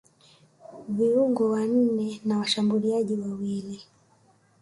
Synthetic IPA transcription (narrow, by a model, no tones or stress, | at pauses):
viuŋɡɔwan̩nɛnawaʃambuliaɟiwawili